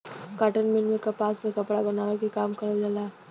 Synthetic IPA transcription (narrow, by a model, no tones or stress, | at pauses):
kaʈənmɪlmẽkɐpaːsmẽkəpɽabɐnaːʋekikaːmkəɾəd͡ʒalaː